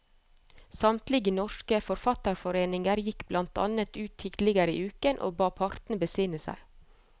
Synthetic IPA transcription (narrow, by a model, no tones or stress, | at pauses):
sɑmt̪lɪɡənɔʃkəfɔɾfɑt̪əɾfɔɾeːnɪŋəɾjɪkblɑnt̪ʰɑ̰nət̪ʉːt̪ʰːiːd̪lɪɡəɾḭːʔʉːkənʔo̰ːbɑːpʰɑɾt̪n̩bəsɪːnəsæ̰ɪ